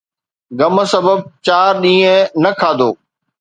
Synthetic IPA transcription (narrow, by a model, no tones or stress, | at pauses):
ɡəməsəbəb̚t͡ɕaːɾɗĩːə̃nɐkʰaːd̪oː